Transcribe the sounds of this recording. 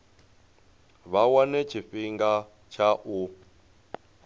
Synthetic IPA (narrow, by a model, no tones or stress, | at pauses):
βawanɛt͡ʃʰiɸiŋɡa | t͡ʃʰaʔu